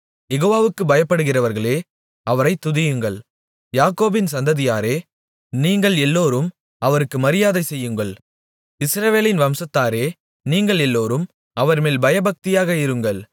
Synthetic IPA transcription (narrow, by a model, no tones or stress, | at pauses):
jɛɣoːʋaːʋɯkːɯbɐjɐpːɐɽɯɣɪrɐʋɐɾɣɐɭeː | ɐʋɐɾɐɪt̪ːʊðɪjɯŋɡɐɭ | jaːkoːbɪnsɐnd̪ɐðɪjaːɾeː | niːŋɡɐɭɛlːoːɾɯm | ɐʋɐɾɯkːɯmɐɾɪjaːðɐɪsɛjːɯŋɡɐɭ | ɪsɾɐʋeːlɪnʋɐmsɐt̪ːaːɾeː | niːŋɡɐɭɛlːoːɾɯm | ɐʋɐɾmeːlbɐjɐbɐk̚t̪ɪjaːɣɐɪɾɯŋɡɐɭ